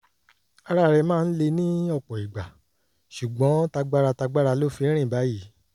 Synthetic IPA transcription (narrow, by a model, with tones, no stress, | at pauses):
a˧ɾa˧ɾɛ˧mãː˦˧n̩˦le˧nĩ˦ɔ˦˨k͡pɔ˨i˨ɡ͡ba˨ | ʃu˨ɡ͡bɔ̃˨˦ta˧ɡ͡ba˦ɾa˧ta˧ɡ͡ba˦ɾa˧lo˦˨fĩ˧˦ɾ̃ĩ˦˨ba˨˦ji˦